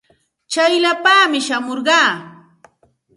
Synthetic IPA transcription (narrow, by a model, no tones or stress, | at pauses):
t͡ʃajlapaːmɪʃamoɾɢɑː